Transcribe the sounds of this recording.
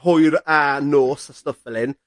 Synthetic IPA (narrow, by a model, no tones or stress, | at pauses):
hʊjɾanoːsastɔfɛlˠɪn